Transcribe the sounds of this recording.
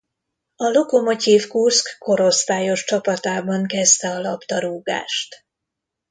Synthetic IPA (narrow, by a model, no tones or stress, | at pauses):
ɒlo̞ko̞mo̞t̪iːfkuskko̞ɾo̞st̪aːjo̞ʃt͡ʃɒpɒt̪aːbɒŋkɛst̪ɛɒlɒpt̪ɒɾuːɡa̰ːʃt̪